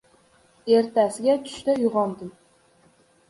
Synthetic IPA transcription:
e̞ɾt̪ʰasɪɡʲat̪ʰʊ̥ʃt̪ajʊʁɒnd̪ɪm

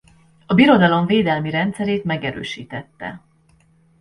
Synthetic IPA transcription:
ɒbiɾo̞d̪ɒlo̞ɱveːd̪ɛlmiɾɛnt̪sɛɾeːt̪mɛɡɛɾø̰ːʃḭːt̪ɛt̪ːɛ̰

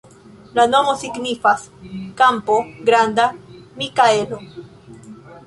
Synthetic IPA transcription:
lanomosiɡnifaskampoɡɾand̪amikaelo

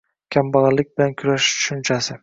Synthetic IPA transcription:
kʲʰambɑʁɑlːɪk̚ʲbɪlankʰʊɾaʃt͡ʃʰʊ̥ʃʊnt͡ʃʰasɪ

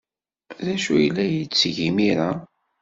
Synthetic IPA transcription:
ðæʃujəlːæjit͡sːʝimiɾa

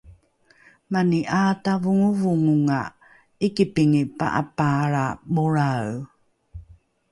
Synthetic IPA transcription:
maniʔatavuŋuvuŋuŋa | ikipiŋipa̰ʔa̰paɾabuɾaw

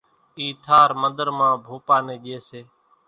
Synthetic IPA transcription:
iːt̪ʰaːɾmənd̪əɾmãːbʱuːpaːneːʄeːseː

